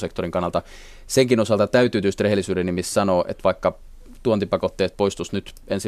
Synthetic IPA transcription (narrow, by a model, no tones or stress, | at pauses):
sekt̪oriŋkɑnːɑlt̪ɑ | seŋkinosɑlt̪ɑt̪æyt̪ˑyːt̪yst̪rehelːˑisyːɾenimissɑnoːʔḛt̪ʋɑikːɑ | t̪uont̪ipɑkot̪ːeːt̪̚poist̪usnyt̪ | ensi